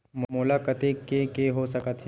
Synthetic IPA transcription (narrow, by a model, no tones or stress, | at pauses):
mmʊlakət̪ekekeɦosɐkət̪ɦ